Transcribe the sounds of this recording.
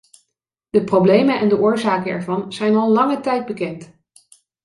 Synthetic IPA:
d̥əproblejmənɛndəʔʊːɹzaːkəɛɹvɑnz̥ɛjnɑlˠlɑŋətɛjd̚bəkɛnt

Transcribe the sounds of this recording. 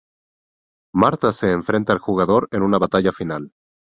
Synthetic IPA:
maɾt̪ase̞ːɱfɾe̞nt̪aːlxuɣ̞aðo̞ɾe̞nunaβat̪aʝafinal

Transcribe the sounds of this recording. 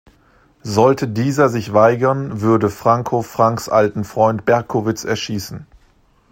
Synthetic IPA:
zɔltʰədiːzɐzɪçvaɪɡɐnvʏɐdəfʁ̥aŋkʰofʁ̥aŋksʔaltn̩fʁ̥ɔʏntb̥ɛɐkʰovɪt͡sɛɐʃiːsn̩

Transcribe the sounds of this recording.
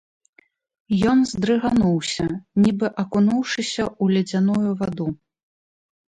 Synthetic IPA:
jɔnzd̪ɾɨɣanuwsʲɐnʲibɨʔɐkunuwʂɨsʲɐulʲɛd͡zʲanujuvad̪u

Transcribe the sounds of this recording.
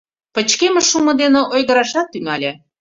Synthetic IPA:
pə̆t͡ɕkemə̆ʃumɤ̆d̪enĕʔojɣə̆ɾɑʃɑt̪ːyŋɑlʲe

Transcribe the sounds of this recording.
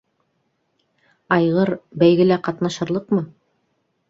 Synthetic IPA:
ɑjʁɤɾbæjɡɘ̆læqɑt̪nɑʃɤ̆ɾlˠɤqmɤ

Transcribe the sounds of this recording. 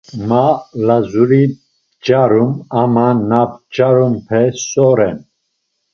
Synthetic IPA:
malazuɾi | d͡ʒaɾumamanapd͡ʒaɾumpʰɛsɔɾɛn

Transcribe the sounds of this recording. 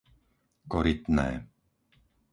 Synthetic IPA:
kɔɾit̪nɛ̰ː

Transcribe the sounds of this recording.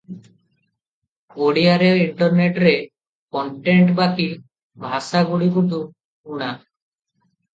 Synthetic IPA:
oɽiaɾeɾiɳʈɔɾneʈɾe | kɔɳʈeɳʈbakil | bʱasaɡuɽikuʈu | uɽ̃a

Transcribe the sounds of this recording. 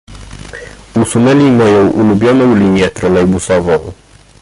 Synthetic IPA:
usunɛlʲimɔjɔwʔulubjɔnɔwlinijɛt̪ɾɔlɛjbusɔvɔw

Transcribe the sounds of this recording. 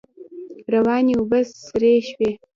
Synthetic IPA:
rɐwaːniubɐsːɨɾeːʃweː

